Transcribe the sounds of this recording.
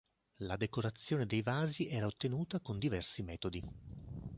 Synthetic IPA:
lad̪ekoɾat̪sːjoːned̪ejvaːziʔɛːɾaot̪ːenuːt̪akond̪ivɛrsimɛːt̪od̪i

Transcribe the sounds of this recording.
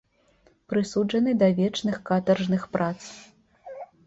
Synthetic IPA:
pɾɨsud͡ʐɐnɨd̪ɐvʲɛt͡ʂnɨxkat̪ɐrʐnɨxpɾʔat̪s

